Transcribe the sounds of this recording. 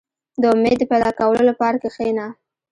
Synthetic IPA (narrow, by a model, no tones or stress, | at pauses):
d̪əʊmed̪ːəpajd̪ɑkawəlolapɑɾakexena